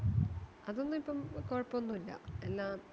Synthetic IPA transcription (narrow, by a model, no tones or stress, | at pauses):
ɐðo̞nːɨmipːɐmkoːɻpːoonːuilːɐ̰elːaːm